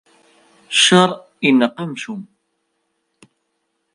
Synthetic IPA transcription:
ʃəɾˤ | inːəqamʃum

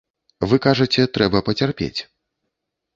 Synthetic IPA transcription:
vɨkaʐɐt͡sʲɛt̪ɾɛbɐpɐt͡sʲarpʲḛt͡sʲ

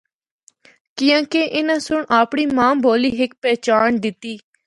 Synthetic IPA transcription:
kɪjãːkeʔɪnãːsʊɳaːpɳiːmãːmboːliːɦɪk̚pɛːt͡ʃaːɳd̪ɪt̪iː

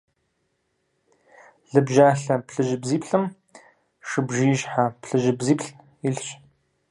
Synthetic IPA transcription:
ɮɨbʒaːɬɐpɬɨʒɪbziːpɬɨm | ʂɨbʒijʒħapɬɨʒɪbziːpɬ | ɪɬɕ

